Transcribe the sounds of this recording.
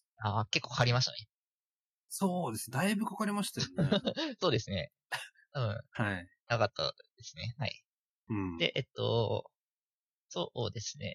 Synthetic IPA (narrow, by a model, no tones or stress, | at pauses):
aːke̞kːoːkʰaɾʲimaɕ̬i̥t̪a̰ne | soːd̪e̞sɨned̪aibɯ̟kakaɾʲimaɕi̥t̪aoso̞ːd̪e̞sɨne̞ | t̪aβɯ̟̃ɴhai | nakat̪ʰːa̰d̪̥e̞sɨne̞haḭ | ɯ̃d̪e̞̰ʔet̪ːo̞̰ | soːd̪e̞sɨ̥ne̞̰